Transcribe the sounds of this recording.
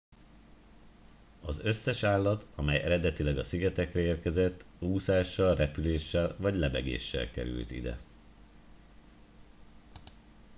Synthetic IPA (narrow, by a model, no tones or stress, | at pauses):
ɒzø̞sːɛʃaːlːɒt̪ɒmɛjɛɾɛd̪ɛt̪ilɛɡɒsiɡɛt̪ɛkrɛeːrkɛzɛt̪ː | uːsaːʃːɒlrɛpyleːʃːɛlvɒɟlɛbɛ̰ɡḛːʃːɛ̰lkɛ̰ɾy̰lt̪ḭd̪ɛ̰